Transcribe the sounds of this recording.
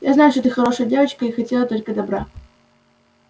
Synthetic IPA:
jaznajʊʂt̪ot̪ɨxɐɾo̞ʂəjədʲe̞vət͡ɕkəixɐtʲelˠət̪o̞lʲkəd̪ɐbɾa

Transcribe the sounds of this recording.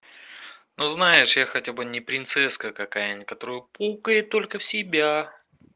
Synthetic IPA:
noznajɪʂjaxɐtʲabɨnʲɪpɾʲɪnt̪sɛskəkɐkajanʲkɐt̪o̞ɾɨjʊpukəjɪt̪ːo̞lʲkəfsʲɪbʲa

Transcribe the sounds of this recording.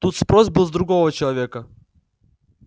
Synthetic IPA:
t̪ut̪spɾɔzbɨlˠzd̪ɾuɡɔʋɐt͡ʃɛlˠɐvʲɛkɐ

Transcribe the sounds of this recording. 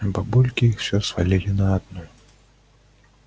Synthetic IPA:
babulʲkʲiixwsʲɔsfalʲilʲinɐad̪nɔ

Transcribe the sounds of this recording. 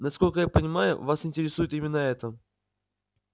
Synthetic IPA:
nɐsko̞lʲkəjapənʲɪmajʊ̰vasɪnʲtʲɪɾʲɪsujɪt̪imʲɪnːəɛt̪ə

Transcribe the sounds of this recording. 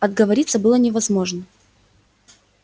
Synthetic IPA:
ɐd̪̚ɡəvɐɾʲit̪səbɨlˠənʲɪvɐzmo̞ʐnə

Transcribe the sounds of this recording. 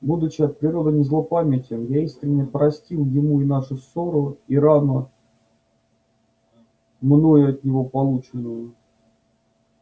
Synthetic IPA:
bud̪ʊt͡ɕɪɐt̪̚pɾʲɪɾo̞d̪ənʲɪzlˠopamʲɪtʲəmjaiskɾʲɪnʲːəpɾɐsʲtʲilˠjɪmuinaʂʊsoɾʊiɾanə | mno̞jʊɐt̪nʲɪvo̞pɐlˠut͡ɕɪnəjʊ

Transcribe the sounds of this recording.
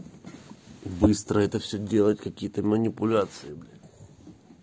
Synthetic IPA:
bɨst̪ɾəɛt̪əfsʲɵdʲelˠətʲkɐkʲijət̪əmənʲɪpʊlʲat̪sɨɪblʲɪ

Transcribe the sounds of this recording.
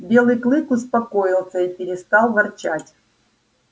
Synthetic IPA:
bʲe̞lˠɨjklˠɨkʊspɐkojɪlˠsʲəipʲɪɾʲɪst̪ɑlˠvɐrt͡ɕatʲ

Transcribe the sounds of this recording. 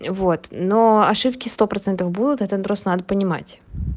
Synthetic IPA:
vot̪noɐʂɨpkʲɪst̪o̞pɾɐt̪sɛnt̪əfbud̪ʊt̪ɛt̪əd̪ɾost̪ənad̪əpənʲɪma̰tʲ

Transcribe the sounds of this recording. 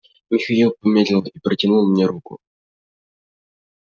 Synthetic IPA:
vɨxɐdʲilˠpəmʲed̪ʲlʲɪlˠipɾətʲɪnulˠmnʲeɾukʊ̰

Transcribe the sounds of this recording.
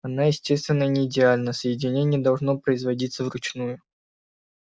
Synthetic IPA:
ɐnajɪsʲtʲe̞st̪vʲɪnːənʲɪːdʲɪalʲnəsəjɪdʲɪnʲenʲɪjəd̪ɐlˠʐno̞pɾəɪzvɐdʲit̪səvrʊt͡ɕnujʊ

